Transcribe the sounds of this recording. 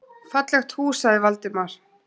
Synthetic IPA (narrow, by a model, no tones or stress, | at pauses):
fat̪lɛxt̪huːsaɪvalt̪ɪmaɾ̥